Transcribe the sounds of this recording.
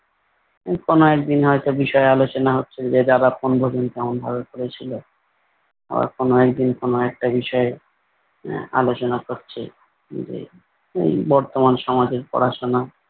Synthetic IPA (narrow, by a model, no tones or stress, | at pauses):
konoɛk̚d̪inɦɔet̪obiʃɔealot͡ɕonaɦotːɕʰed͡ʑed͡ʑaɾaponbʱod͡ʑonk̪ɛmonbʱabokoɾet͡ɕʰilo | a̰ba̰ɾkonoɛk̚d̪inkonoɛk̚ʈabiʃɔe | a̰lot͡ɕonakoɾt͡ɕʰḛ | d͡ʑḛ | ḛjbɔɾt̪omanʃɔmad͡ʑeɾpɔ̰ɾaʃona